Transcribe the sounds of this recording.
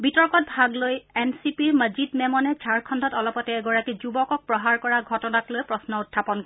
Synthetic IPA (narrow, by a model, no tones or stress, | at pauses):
bitɔɹkɔt̚bʱaɡlojɛnsipiɹməzidmɛmɔnɛt͡ʃʰaɹkʰɔndʱɔtɔlɔpɔtɛːɡɔɹakizubɔkɔk̚pɹɔɦaɹkɔɹaɡʱɔtɔnaklojpɹɔsnɔutʰːapɔnkɔ